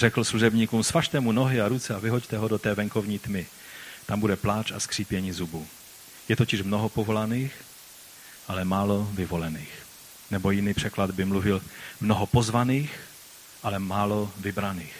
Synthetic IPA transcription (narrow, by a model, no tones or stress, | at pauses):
r̥ɛkl̩sluʒɛbɲiːkumsvaʃt̪ɛmunoɦɪaɾut͡sɛavɪɦo̞ct̪ɛɦodot̪ɛːvɛŋko̞vɲiːt̪mɪ | t̪ambudɛplaːt͡ʃa̰skr̝̥iːpjɛɲiːzubu | jɛt̪ocɪʃmnoɦopovo̞laniːx | ʔalɛmaːlovɪvo̞lɛniːx | nɛbo̞jɪniːpr̝̥ɛklad̪bɪmluvɪlmnoɦopo̞zvaniːx | ʔalɛmaːlovɪbɾaniːx